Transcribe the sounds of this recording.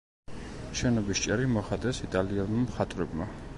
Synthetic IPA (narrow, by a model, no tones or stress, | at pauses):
ʃɛnɔbist͡ʃʼɛɾimɔχat̪ʼɛsit̪ʼalialˠmamχat̪ʼɾɛbma